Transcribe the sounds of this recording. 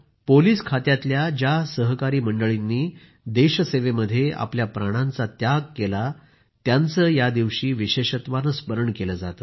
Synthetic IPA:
poliːskʰat̪jat̪ljad͡ʑjasəɦkaɾiːməɳɖəɭinːiː | d̪eɕəseʋeməd̪ʱːjeʔa̰pljapɾaɽ̃ãnt͡sat̪jaɡ̚kela | t̪jant͡səːjad̪iʋɕiːʋiɕeɕət̪ʋanəspəɾəɳkeləd͡zat̪ə

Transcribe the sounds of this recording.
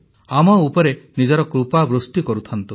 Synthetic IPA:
amɔupɔɾenid͡ʒɔɾɔkɾupabɾust̪ikɔɾut̪ʰant̪u

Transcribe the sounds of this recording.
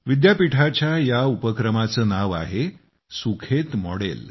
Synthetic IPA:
ʋid̪japiʈʰat͡ɕjajaupəkɾəmat͡səːnaʋa̰ɦe | sukʰet̪mɔ̰ɽḛl

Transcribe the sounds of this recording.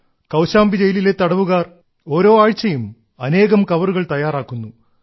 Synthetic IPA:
kɐwɕaːmbid͡ʑejilile̞t̪ɐɽɐʋuɣaːr | o̞ːɾo̞ːaːɻt͡ɕːɐjum | ɐne̞ːɣɐmkɐʋɐruɣɐɭt̪ɐjːaːraːkːunːu

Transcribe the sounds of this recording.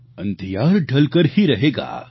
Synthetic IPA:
ə̃nd̪ʱijaːɾɖʱəlkəɾhiɾɐɦeːɡa̰ː

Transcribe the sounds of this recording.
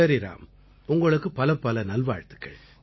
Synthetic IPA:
ɐɾɪɾa̰ːm | ʊŋɡɐɭɯkːɯpɐlɐpːɐlɐnɐlʋaːɻt̪ɯ̥kːɐ̰ɭ

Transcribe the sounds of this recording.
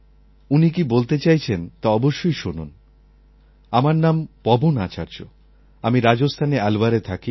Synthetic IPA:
unik̬ibolt̪et͡ɕajt͡ɕʰent̪aɔboʃːojʃunṵn | amaɾnampɔbonat͡ɕaɾd͡ʑo̰ | amiɾad͡ʑost̪ʰanealbaɾet̪ʰaki

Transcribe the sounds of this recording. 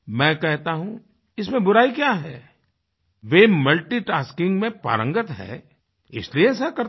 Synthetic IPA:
mɛ̃ːkɛɦt̪aɦũ | ɪsmẽbʊɾaːikjaɦɛː | ʋemɐlʈiʈaːskɪ̃ŋɡmẽpa̰ːɾə̃ŋɡət̪ɦɛ̰ː | ɪ̰slieɛːs̬akɐɾ

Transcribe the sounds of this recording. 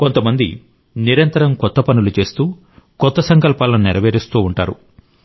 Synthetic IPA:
kont̪ɐmɐnd̪i | niɾɐnt̪ɐɾɐmkɔt̪ːɐpɐnulut͡ʃe̞ːst̪uː | kɔt̪ːɐsɐŋkɐlpaːlɐniɾɐʋeːɾist̪uːɳʈa̰ːɾṵ

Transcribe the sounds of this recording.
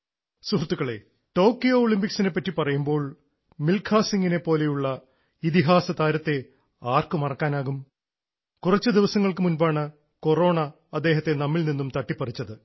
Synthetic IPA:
surt̪ːuɣɐɭe̞̰ | ʈo̞ːkːijoːɭimpiksine̞pːɐtːipɐrɐjumbo̞ːɭ | milkʰaːsiŋɡine̞po̞ːle̞juɭːɐ | it̪iɦaːsɐt̪aːɾɐt̪ːe̞ | aːrkɨmɐrɐkːaːnaːɣum | kurɐt͡ɕːɨd̪iʋɐsɐŋːɐɭkɨmunbaːɳɨ | ko̞ro̞ːɳɐ | ɐd̪ːe̞ːɦɐt̪ːe̞nɐmːilninːumt̪ɐʈːipːɐrit͡ɕːɐðɨ

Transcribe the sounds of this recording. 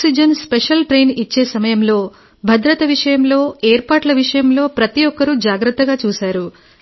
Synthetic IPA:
ksid͡ʒɐnspeʂɐlʈɾe̞ːnit͡ʃːe̞ːsɐmɐjɐmlo̞ː | bʱɐd̪ɾɐt̪ɐʋiʂɐjɐmlo̞ːeːɾpaːʈlɐʋiʂɐjɐmlo̞ːpɾɐt̪ijɔkːɐɾud͡ʒaːɡɾɐt̪ːɐɡaːt͡ʃuːsaːɾu

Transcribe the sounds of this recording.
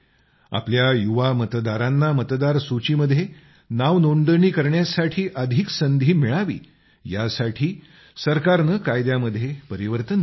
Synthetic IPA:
a̰pljajuʋamət̪d̪aɾanːamət̪d̪aɾsut͡ɕiməd̪ʱje | naʋnoɳɖəɳiːkəɾɳjasaʈʰiːʔəd̪ʱiksənd̪ʱiːmiɭaʋḭː | jasaʈʰiː | səɾkaɾnəkajd̪jaməd̪ʱːjepəɾiʋəɾt̪ən

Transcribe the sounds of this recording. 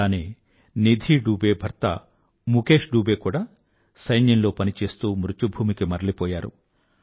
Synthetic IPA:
aːneː | nid̪ʱiːɖuːbeːbʱɐɾt̪ɐ̰ | muke̞ːʂɖuːbe̞ːkuːɽaː | sɐjnjɐnlo̞ːpɐnit͡ʃe̞ːst̪uːmɾut͡ʃubʱuːmikimɐɾɐlipɔːjaːɾṵ

